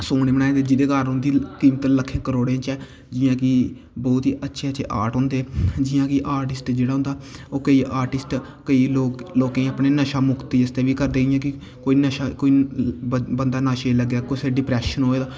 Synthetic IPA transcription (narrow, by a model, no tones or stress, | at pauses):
soːɽeːbəɽ̃aːẽd̪ed͡ʒɪd̪eːkaɾɦʊ̃nd̪iːkiːmt̪ələkʰːẽːkəɾoːɽeãːt͡ʃɛː | d͡ʒɪːãːkɪ | bɔːt̪ɦiːʔətːʃʰeːətːʃʰḛːʔa̰ːɾʈɦõːnd̪eːd͡ʒɪːãːkɪʔaːɾʈɪsʈd͡ʒeːɽaːɦʊ̃nd̪aːoːkəiːʔaːɾʈɪsʈ | kəiːloːkloːkãːĩːaːpneːnəʃaːmʊkt̪iːəst̪eːʋiːkəɾd̪eːɪjãːkɪ | koːiːnəʃakoːi | bənd̪aːnaːʃeːləɡːjaːkoːiseɖɪpɾɛːʃənɦoːeːd̪aː